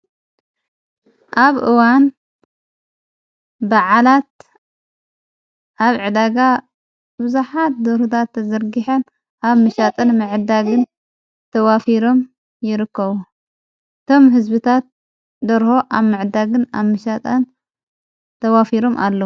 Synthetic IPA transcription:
ʔaβʔɨwan | baʕalat̪̚ | ʔaβʕɨd̪aɡa | bɨzaħat̪̚d̪oɾut̪ʰat̪ʰːɐzɐɾɡiħɐn | ʔaβmɨʃat̪ʼɐnmɨʕɨd̪aɡɨn | t̪ʰɐwafiɾo̞m | jɪɾɨkːɐβu | ʔɨt̪ʰo̞mɦɨzbɨt̪ʰat̪̚ | d̪ɐɾho̞ʔaβmɨʕɨd̪aɡɨna̰βmɨʃat̪ʼɐn | t̪ʰɐwafiɾo̞mʔa̰lːɐ

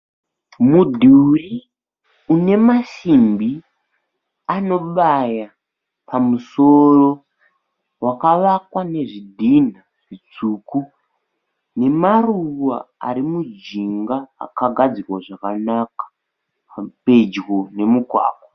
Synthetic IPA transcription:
mudʱuri | une̞maʃimbi | ano̞ɓaja | pamuso̞ro̞ | wakaʋakwane̞ʐidʱin̤a | ʐit͡suːku | ne̞maruwa̰a̰ɾimud͡ʒiŋɡaa̰kaɡʱad͡zirwaʐakanakḁ | pe̞d͡ʒɣone̞mukwa̰ːkwḁ

